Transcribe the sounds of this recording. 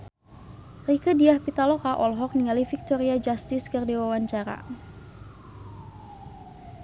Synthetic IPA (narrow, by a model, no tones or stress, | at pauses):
rikədiahpit̪alɔkaʔɔlɦɔk̚niŋalifik̚t̪ɔɾiad͡ʒast̪ɪskərdiwawaɲt͡ʃaɾa̰